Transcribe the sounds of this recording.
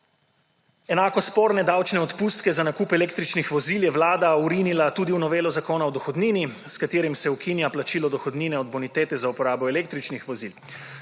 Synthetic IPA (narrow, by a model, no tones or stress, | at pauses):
ɛnaːkɔspoːɾnɛd̪awt͡ʃnɛɔt̪puːst̪kɛzanakuːpɛleːk̚t̪ɾit͡ʃnixʋɔziljɛʋlaːd̪auɾinilat̪uːd̪iunɔʋeːlɔzakoːnaɔd̪ɔxɔd̪niːniskat̪eːɾimsɛukinjaplat͡ʃiːlɔd̪ɔxɔd̪niːnɛɔd̪̚bɔnit̪eːt̪ɛzaupɔɾaːbɔɛleːk̚t̪ɾit͡ʃnixʋɔzil